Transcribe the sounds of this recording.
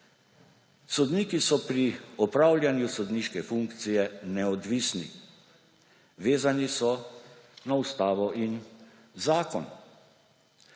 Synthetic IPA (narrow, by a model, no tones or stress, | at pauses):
sɔd̪niːkisɔpɾiɔpɾaːwljanjusɔd̪niːʃkɛfuŋkt̪sijɛnɛɔd̪ʋisnḭ | ʋeːzanisɔ | naust̪aːʋɔʔin | zaːkɔn